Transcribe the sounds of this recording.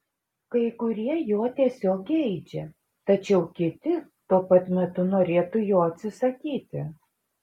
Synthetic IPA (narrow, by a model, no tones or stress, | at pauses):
kɐɪkʊɾʲiɛjuɔt̪ʲiɛsʲoːkɛɪd͡ʒʲɛ | t̪ɐt͡ʃʲɛʊkʲɪt̪ʲɪt̪uɔpɐt̪mʲɛt̪ʊnoːɾʲeːt̪ʊjoːɐt̪ʲsʲɪsɐkʲiːt̪ʲɪ